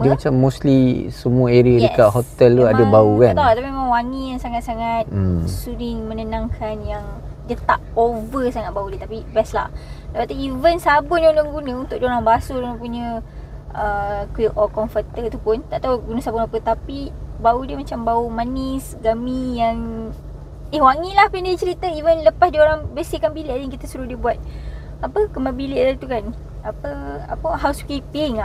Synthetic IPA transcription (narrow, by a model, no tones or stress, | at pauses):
diəmat͡ʃamːuslisəmuaeɾiadəkaʔɦot̪ɛlt̪uadəbaukat̪olat̪apimemãŋwanijaŋsaŋat̪saŋat̪̚suɾiŋmənənãŋkʰanjaŋd͡ʒət̪aʔovəsaŋat̪̚baudiət̪apibɛsla̰hdəpat̪uivənsabʊt̪jaundaŋɡunə̃unt̪ʊʔ̚d͡ʒoɾaŋbasudunapuɲə̃ | əkuʔɔkɔnfət̪ət̪upʊnt̪aʔt̪auɡunə̃sabʊnapət̪apibaudiəmat͡ʃambaumanisɡamĩjaŋ | ehwaŋilahpindiit͡ʃəɾit̪əivənləpasdioɾaŋbəsikanbilɪʔadjaŋkit̪asuɾʊhdiəbuat̪̚ | apəkəmabilɪʔdat̪ukan | apəa̰pəɦawskipɪŋa